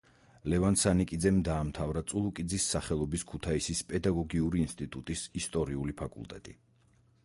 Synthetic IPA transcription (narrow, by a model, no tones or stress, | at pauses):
lɛvansanikʼid̪zɛmd̪aːmt̪ʰavɾat̪sʼulˠukʼid̪zisːaχɛlˠɔbiskʰut̪ʰaisispʼɛd̪aɡɔɡiuɾiːnst̪ʼit̪ʼut̪ʼisist̪ʼɔɾiulipʰakʼṵlˠt̪ʼɛ̰t̪ʼi